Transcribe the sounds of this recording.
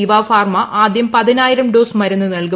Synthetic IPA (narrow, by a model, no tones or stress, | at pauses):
iʋaːfaːrmɐʔaːd̪jɐmpɐðinaːjiɾɐmɖo̞ːsmɐɾunːɨnɐɭku